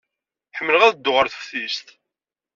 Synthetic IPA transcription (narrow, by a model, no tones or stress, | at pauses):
ħəmːələʁæðd̪ːʊʁəɾθə̥fθist̪